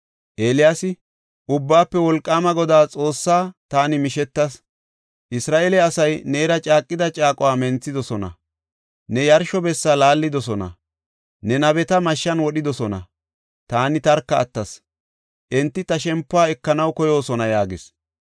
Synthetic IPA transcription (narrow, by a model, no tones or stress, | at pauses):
ʔeːlɪjaːsɪ | ʔʊbːaːpːɛwɔlkʼːaːmɐɡɔd̪aːt͡sʼo̞ːsːaːt̪aːnɪmɪʃɛt̪ːɐs | ʔɪsɾaːʔeːlɛɐsɐjneːɾɐt͡ʃʼaːkʼːɪd̪ɐt͡ʃʼaːkʼɔwaːmɛnt͡sːɪd̪ɔsɔnɐ̰ | nɛjɐɾʃɔbɛsːalaːlːɪd̪ɔsɔnɐ̰ | nɛnɐbɛt̪ɐmɐʃːɐnwɔɗɪd̪ɔsɔnɐ̰ | t̪aːnɪt̪ɐɾkːɐ̰ːt̪ːɐs | ʔɛnt̪ːɪt̪ɐʃɛmpːʊaːɛkːɐnɐwkɔjo̞ːsɔnɐjaːɡɪs